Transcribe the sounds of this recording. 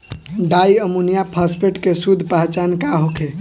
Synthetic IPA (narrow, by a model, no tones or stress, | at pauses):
ɖajəmunijapʰəspeʈkesud̪ʱpaɦt͡ʃankaɦokʰe